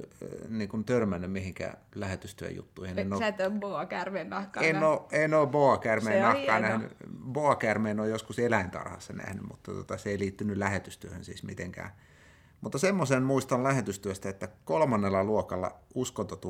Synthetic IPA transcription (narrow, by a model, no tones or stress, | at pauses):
niːŋkunt̪ørmænːymmihiŋkæ̰ːlæhet̪yst̪yø̰jṵt̪ːuihinnot̪ːboɑkærmennɑhkɑeinoːeinoːboɑkærmeːnnɑkɑːnæhny̰boɑkærmeːnoːjjoskuselæint̪ɑ̰rhɑ̰sːɑnæ̰hny̰mmṵt̪ːɑt̪uo̰t̪ɑseeiliːt̪ːynylæhet̪yst̪yøhø̰nsḭːsmit̪eŋkæ̰ː | mut̪ːɑsemːosenmuist̪ɑllæhet̪yst̪yøst̪æet̪ːækolmɑnːelːɑluokɑlːɑ̰uskont̪ot̪u